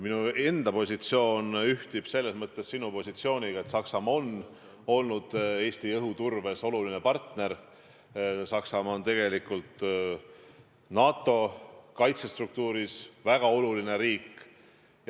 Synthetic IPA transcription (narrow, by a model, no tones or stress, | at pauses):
minue̞nd̪̥ɑpo̞sʲit̪sio̞ːnyht̪ib̥se̞lːe̞smɤt̪ːe̞sːinupo̞sʲit̪sio̞ːnʲiɡ̥ɑe̞t̪sɑksɑmɑo̞n | o̞lnud̪̥e̞ːst̪ijɤɦut̪urve̞so̞luline̞pɑrt̪ne̞ɾ | sɑksɑmɑo̞nt̪e̞ɡ̥e̞likːˑult̪ | nɑːt̪ˑːo̞kɑjt̪se̞st̪ruk̚t̪uːɾisvæɡ̥ɑo̞luline̞ɾiːkː